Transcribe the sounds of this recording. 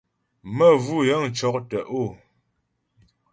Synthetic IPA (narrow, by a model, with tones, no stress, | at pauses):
mə˦˨vu˦jə˦ŋ̩˨t͡ʃɔ˨˦k̚tə˨ʔo˦˨